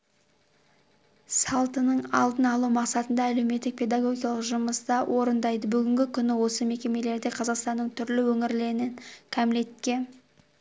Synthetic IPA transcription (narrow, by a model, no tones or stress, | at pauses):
sɑlˠt̪ənəɴɑlˠd̪ənɑlˠumɑqsɑt̪ənd̪ɑːle̞wme̞t̪ːɪk̚pʰe̞d̪ɑɡo̞ɡʲijɑlˠəqʒʊməst̪ɑwʔo̞ɾənd̪ɑjd̪əbʏɡʲɪŋɡʲɪkʲʰʏnɪwo̞səme̞kʲe̞me̞le̞ɾd̪e̞qʰɑzɑqst̪ɑnːəɴt̪ʰʏɾlɪwɵŋɪɾle̞ɾɪnɪnkʲʰæmle̞t̪kʲe̞